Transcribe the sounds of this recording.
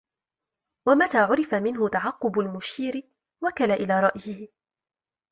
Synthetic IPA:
wamat̪aːʕʊɾɪfamɪnɦʊt̪aʕɑqːʊbʊlmʊʃiːɾɪ | wakalaʔɪlaːɾˤɑʔjɪhɪ

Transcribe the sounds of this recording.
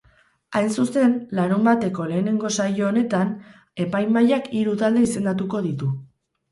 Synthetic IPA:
ajnsuse̞nlaɾumbat̪e̞ko̞le̞ːne̞ŋɡo̞sajo̞ːne̞t̪an | e̞pajmajakiɾut̪ald̪e̞ise̞nd̪at̪uko̞ðit̪u

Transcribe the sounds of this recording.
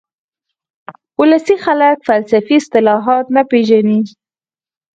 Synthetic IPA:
ʊlasixaləkfalsafiɪst̪ɪlɑɦɑt̪napeʒani

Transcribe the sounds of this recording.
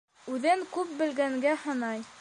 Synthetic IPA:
ʉðɘŋkʉp̚bɘ̆lɡæŋɡæhɤ̆nɑj

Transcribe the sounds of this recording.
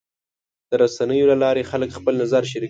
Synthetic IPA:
d̪̥əɾasanəjolalɑɾexaləkxpəlnazaɾʃ̬aɾi

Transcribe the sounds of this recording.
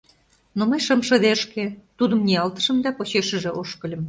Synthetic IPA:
noməjʃɤ̆mʃɤ̆d̪eʃkĕt̪ud̪ə̆mniɑlt̪ə̥̆ʃə̆md̪ɑpot͡ɕeʃə̆ʒĕʔoʃkə̆lʲɤ̆m

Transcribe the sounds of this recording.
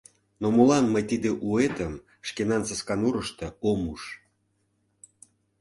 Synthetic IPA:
nomolɑnməjt̪id̪eʔuet̪əm | ʃkenɑnsəskɑnuɾəʃt̪ɤomuʃ

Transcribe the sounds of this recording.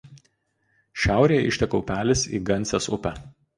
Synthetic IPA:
ʃʲæˑʊɾʲeːjɛ̰ɪʃʲt̪ʲɛkɐʊpʲæːlʲɪsḭːɡɐnʲˑsʲɛsʊpʲɛ

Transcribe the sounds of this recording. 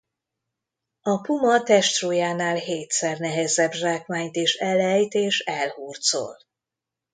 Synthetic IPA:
ɒpumɒt̪ɛʃt̪roːjaːnaːlɦeːt̪sɛrnɛɦɛzɛbʒaːkmaːɲt̪eːʃɛlɛjt̪eːʃɛlhuːrt̪so̰ːl

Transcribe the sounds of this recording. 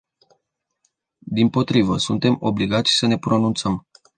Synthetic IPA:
d̪impo̞t̪ɾivəsunt̪e̞mo̞bliɡat̪sʲsəne̞pɾo̞nunt̪səm

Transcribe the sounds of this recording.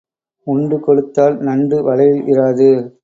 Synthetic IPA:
ʊɳɖɯkɔɽɯt̪ːaːlnɐɳɖɯʋɐlɐjɪlʔɪraːðɯ

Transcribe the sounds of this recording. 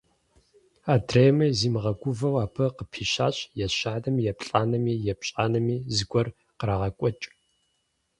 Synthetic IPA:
aːdʰreːjmɐziːmɨʁɐɡʷʊvɐwaːpʰɐqəpʰiːɕaːɕʼjɛɕaːnɐmjɛpɬʼaːnɐmiːjɛpɕʼaːnɐmiːzɨɡʷɔr | qəɾaʁɐkʷʼɔt͡ʃʼ

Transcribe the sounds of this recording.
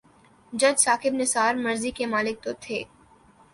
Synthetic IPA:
d͡ʒɐd͡ʒsaːkɪbnɪsaːɾmɐɾzikemaːlɪk̚t̪ot̪ʰeː

